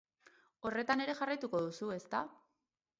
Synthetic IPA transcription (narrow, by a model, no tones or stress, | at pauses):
o̞re̞t̪ane̞ɾe̞ʝarajt̪uko̞ðusue̞st̪a